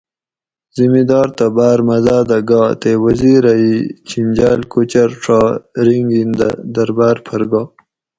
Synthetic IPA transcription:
zimid̪ɑːɾt̪abaːɾmazaːɾd̪aɡɑːt̪ewaziɾait͡ɕʰind͡ʑaːlkut͡ɕaɾʈ͡ʂʰaːɾiŋɡind̪d̪ɐɾbaːɾpʰaɾɡɑː

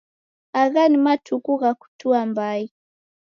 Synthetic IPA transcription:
aɣanimatʰukuɣaku̥tuambai

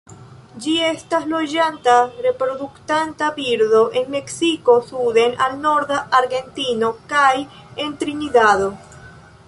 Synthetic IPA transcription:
d͡ʒie̞staslo̞d͡ʒant̪are̞pɾo̞ðukt̪ant̪abiɾðo̞ʔenme̞ksiko̞suðe̞nalno̞ɾðaaɾɣe̞nt̪inokaj | e̞nt̪ɾiniðaðo

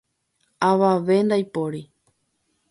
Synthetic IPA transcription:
aʋaʋe̞nd̪ajpoɾi

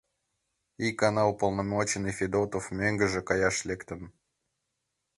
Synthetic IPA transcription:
ikɐnaʊpəlˠnɐmot͡ɕɪnɨfʲɪd̪ot̪əfmʲeŋɡəʐɨkɐjaʂlʲekt̪əm

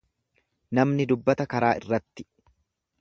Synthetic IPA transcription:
nɐmnɪd̪ʊbːɐt̪ɐkɐɾaːɪrːɐt̪ːɪ̥

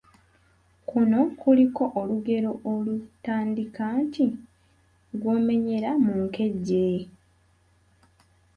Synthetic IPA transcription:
kuno̞kuliko̞ʔoluɡe̞ɾo̞ʔolutaːndikaːnti | ɡwo̞ːme̞ɲe̞ɾamuŋke̞ɟːe̞

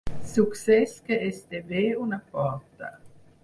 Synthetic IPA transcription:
suksɛskeest̪eveunapɔɾt̪a̰

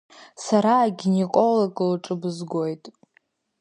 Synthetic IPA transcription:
saɾaːɡʲinekʼoloɡʼlʈ͡ʂʼɨbɨzɡo̞jtʼ

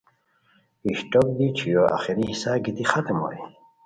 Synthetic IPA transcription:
iɕʈok̚d̪it͡ʃʰijoʔa̰xiɾihisaɡit̪ixat̪mo̰i

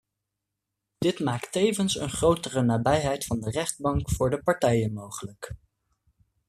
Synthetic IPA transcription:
d̥ɪtmaːktejvənsə̰nχrowtərənaːbɛjɦɛjtfɑndərɛχd̚bɑŋkfʊːɹdəpɑɹtɛjənmowχələk

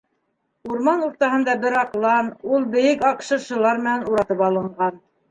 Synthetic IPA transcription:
uɾmɑnuɾt̪ɑɦɤ̆nd̪ɑbɘɾɑqlˠɑnulˠbɘ̆jɘkɑqʃɤ̆ʃɤ̆lˠɑɾmɘ̆nænuɾɑt̪ɤpɑlˠɤ̆ɴɢɑn

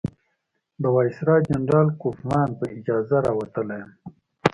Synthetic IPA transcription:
bawɑːisɾɑːd͡ʒanɾɑːlkufmɑːnpəɪd͡ʒɑːzaɾɑːwat̪əlajəm

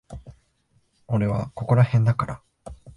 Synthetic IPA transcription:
o̞ɾe̞βako̞ko̞ɾahẽ̞nd̪akaɾa

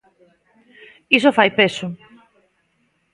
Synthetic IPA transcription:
isofajpesʊ

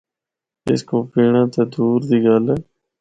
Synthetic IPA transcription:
ɪ̰skoːpiːɳãːt̪eːd̪uːɾd̪iːɡəlɛː

